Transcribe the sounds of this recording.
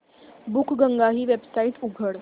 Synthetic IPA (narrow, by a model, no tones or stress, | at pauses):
bukʰɡəŋɡaɦiːʋebsaiʈuɡʱəɽ